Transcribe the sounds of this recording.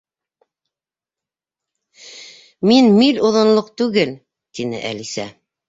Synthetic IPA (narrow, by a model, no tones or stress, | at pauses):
minmiloðŏnlˠoqt̪ʉɡɘl | t̪inɘ̰ʔæ̰lisæ̰